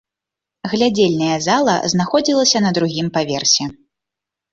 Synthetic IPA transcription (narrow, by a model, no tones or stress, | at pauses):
ɣlʲad͡zʲelʲnɐjɐzalˠɐ̰znaxɔd͡zʲilˠɐsʲɐnɐd̪ɾuɣʲimpavʲɛrsʲɛ